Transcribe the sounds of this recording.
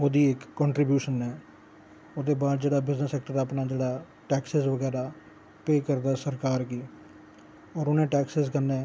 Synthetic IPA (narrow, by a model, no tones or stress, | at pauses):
oːd̪iːɪkːɔ̃ːɳʈɾiːbjuːʃənɦɛː | oːd̪eːbaːd̪̚d͡ʒeːɽaːbɪznəsɛːk̚ʈəɾaːpnaːd͡ʒeːɽaː | ʈɛːksɪzʋəɡɛːɾaː | peːkəɾd̪aːsəɾkaːɾɡiː | ɔːɾʊnẽːʈɛːksɪzkənːẽː